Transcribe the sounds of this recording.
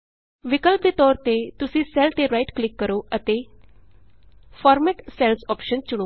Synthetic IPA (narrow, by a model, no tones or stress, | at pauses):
ʋɪkəlp̚d̪et̪ɔːɾt̪et̪ʊsĩːsɛlt̪eɾaiʈklɪkːəɾoːʔət̪e | fʰɔːɾmeːʈsɛlsɔːpʃənt͡ʃʊɽ̃oː